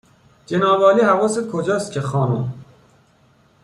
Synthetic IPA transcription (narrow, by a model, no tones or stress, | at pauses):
d͡ʒenɒːvɒːliːhævɒːsekʰod͡ʒɒːst̪̚cʲʰexɒːno̰m